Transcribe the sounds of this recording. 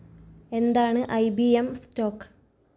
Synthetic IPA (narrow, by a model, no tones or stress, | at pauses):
e̞nd̪aːɳɨʔɐjbiemsto̞ːkːɨ̥